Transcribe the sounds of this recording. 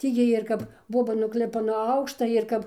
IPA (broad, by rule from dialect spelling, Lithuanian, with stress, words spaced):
ˈtʲiː ˈjiɛj ɪr ˈkɐp ˈboːbɐ nʊɡˈlʲɪpɐ nuɔ ˈɐʊkʃtɐ ɪr ˈkɐp